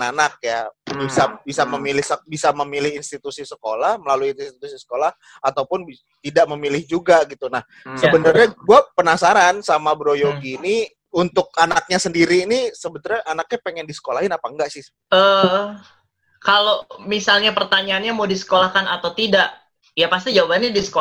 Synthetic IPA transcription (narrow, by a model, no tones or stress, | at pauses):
anak̚jabisabisaməmilɪhsəbisaməmilɪhinst̪it̪usisəkolahməlaluininst̪it̪usisə̥kolah | at̪awpʊnbi | t̪idaʔməmilɪhd͡ʒuɡaɡit̪unah | səbənərɲaɡuapənasaɾansamabɾojoɡini | unt̪ʊk̚anak̚ɲasəndiɾiːnisəbənarɲaʔanak̚ɲapeŋɛndisə̥kolahɪnapaŋɡaʔsɪh | ə | kalomisalɲapərt̪aɲaːnɲamawdisə̥kolahkanat̪awt̪idaʔ | japas̬t̪id͡ʒawabnɲadisə̥ko